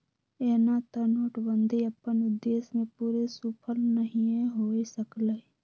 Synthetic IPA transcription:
ɛːnat̪ənoːʈbə̃nd̪ʱiəpːənʊd̪ːeːsmẽpuːɾesuːpʰəlnəɦĩeɦoːesəkle

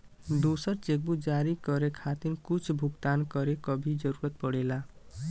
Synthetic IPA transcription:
d̪osʌɾt͡ʃek̚bud͡ʒaɾikʌɾekʰat̪iɾkut͡sʰbʱuɡt̪ankʌɾekʌbʱid͡ʒʌɾuɾʌt̪̚pʌɽela

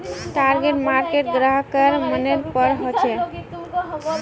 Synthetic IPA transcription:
ʈaɾɡeʈmaɾkeʈɡɾəɦkəɾməneɾpəɾɦot͡ʃʰɛ

